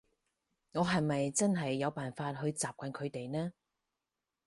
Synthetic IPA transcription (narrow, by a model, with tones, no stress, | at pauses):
ŋɔː˨˧ɦɐ˨˩jmɐ˨jt͡sɐ˥nɦɐ˨jːɐ˨˧wpaː˨nfaː˧t̚ɦɵ˨˧ɥt͡saː˨p̚kɐ˨˧nkʰɵ˨˧ɥt̪e˨jnɛː˥